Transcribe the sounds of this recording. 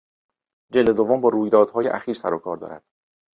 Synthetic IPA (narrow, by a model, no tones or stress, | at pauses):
d͡ʒeld̪e̞d̪ovombɒːɾuːjd̪ɒːd̪̥hɒːjeʔæ̰xiːɾsæɾokʰɒːɾd̪ɒ̰ːɾæ̰d̪̥